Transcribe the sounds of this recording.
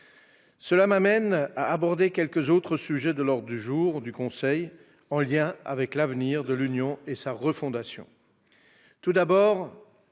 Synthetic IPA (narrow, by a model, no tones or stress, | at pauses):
səlamamɛnaːbɔʁd̪ekʲɛlkəzot̪χəsyʒɛd̪əlɔʁd̪ʁəd̪yʒuʁd̪ykɔ̃sɛj | ɑ̃ljɛ̃a̰vɛklavniʁd̪əlynjɔ̃esaʁəfɔ̃d̪asjɔ̰̃ | t̪ud̪abɔːʁ